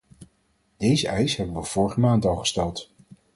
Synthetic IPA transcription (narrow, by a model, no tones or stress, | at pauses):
d̥ejzəʔɛjsɦɛbənʋəv̥ʊːɹχəmaːntɑlˠχə̥stɛlˠt